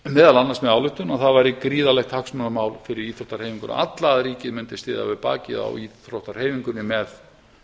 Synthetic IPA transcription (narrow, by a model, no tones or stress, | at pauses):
mɛːðalanːaɾsmɛðawlʏht̪ːʏnaθaðvajɾɪkɾiːðalɛxt̪haksmʏnamaːwlfɪɾɪɾiːθɾowht̪aɾ̥hejviŋkʏna̰ʔat̪laðɾiːcɪðmʏnt̪ɪ̥sɪːða̰vɪðpa̰ːcɪða̰ɔ̰wiːθɾowht̪aɾ̥heːjviŋkʏnːɪmɛð